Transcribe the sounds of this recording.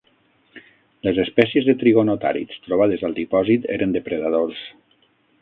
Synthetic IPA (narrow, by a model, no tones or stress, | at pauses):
ləzespɛsjezðet̪ɾiɣonot̪a̰ɾḭst̪ɾoβ̞að̞əzəlˠd̪ipɔzit̪ḛɾənd̪əpɾəðað̞os